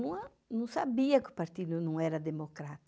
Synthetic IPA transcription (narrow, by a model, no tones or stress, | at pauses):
nũɐ | nũsabiɐkʊ̥paɾt̪id̪ʊnɐ̃w̃ɛɾɐd̪emokɾat̪ɐ